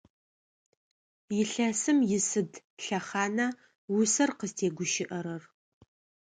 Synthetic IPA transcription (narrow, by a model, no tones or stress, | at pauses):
jɪɬɐsɨmjɪsɨd | ɬɐχaːnɐ | wʊsɐrqəztʰeːɡʷʊʃɪʔɐɾɐr